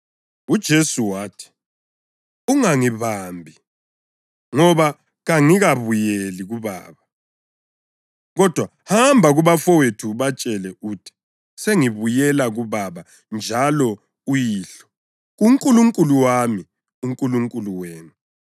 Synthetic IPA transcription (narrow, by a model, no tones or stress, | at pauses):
ud̥ʒ̥ʱesuwaːtʰi̥ | uŋaŋiβambʱi | ŋɔβa | ɣaŋiɣaβujeliɣuβa̰ːβa | ɣɔd̥ʱwa | hambʱaɣuβafɔwetʰuβat͡ʃʼɛlɛʔuːtʰi̥ | seŋiβujɛlaɣuβaβa | nd͡ʒʱalɔ | ujiːɬɔ̥ | ɣuŋkʼuluŋkʼuluwami | uŋkʼuluŋkʼuluweːnu